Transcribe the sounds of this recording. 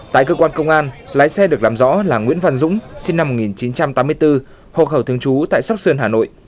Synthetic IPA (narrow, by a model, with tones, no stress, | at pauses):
t̪a̰ː˧˨jkəː˧kwaː˧nkə˧wŋ͡mʔaː˧nlaː˨˦jsɛ˧ɗɨ˨˩ək̚laː˨˩mzɔ̰˧˥laː˨˩ŋwḭ˧˥ənvə˧˨nzʊ̰˧˥ŋ͡msi˧nːa˧mːo˨˩ŋi˨˩nt͡ɕi˨˦nt͡ɕa˧mt̪aː˨˦mːɨ˧əjt̪ɨ˧ | ho̰˧˨˩xə˧˩wt̪ʰəŋt͡ɕu˨˦t̪a̰ː˧˨jsa˦˥wk͡p̚sɨ˧ənɦaː˨˩no̰˧˨jʔ